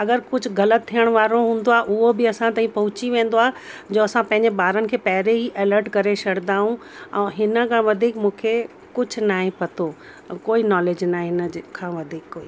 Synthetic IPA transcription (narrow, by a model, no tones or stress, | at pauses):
ɐɡəɾkʊd͡ʑʱʊ̆ɡɐlət̪ʰːijəɽ̃ʋaːɾoɦũːn̆d̪oaːʔʊɦobɪɐsãt̪aːĩpɐɦʊt͡ɕiʋẽːn̆d̪oaːɦed͡ʑoːɐsãpɐ̃ɦɪ̃ɲd͡ʑeɓaːɾənɪ̆kʰeːpɐɦɪɾeɦiʔeːləɾʈkɐɾeʃɐɽnd̪aːɦũ | ɛ̃ːɦɪnə̆kʰãːʋɐd̪ʱiːkmũːkʰe | kʊd͡ʑʱʊ̆naːɦĩpɐt̪ʰo | koːinɔːleːd͡ʑnãːɦɪnəkʰːãːʋɐd̪ʱiːkːoːiː